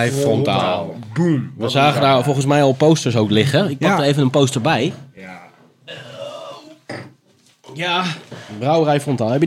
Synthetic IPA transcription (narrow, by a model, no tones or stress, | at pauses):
fɔntalˠdunʋəzaːɣəndafolˠɣəns̬mɛjɔlˠpowstəɹsowklɪxəɪk̚padərejvənənpowstərbɛj | jabrawrɛjfrɔntaːlˠɦɛpjə